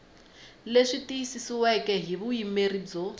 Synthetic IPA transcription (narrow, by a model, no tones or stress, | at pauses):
leʂitiisisiwɛkʼɛɦiβuimerid͡zɔ